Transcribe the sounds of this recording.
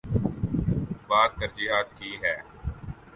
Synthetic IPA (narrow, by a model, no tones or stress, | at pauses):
baːd̪̚t̪əɾd͡ʒiɦaːt̪kiːɦɛː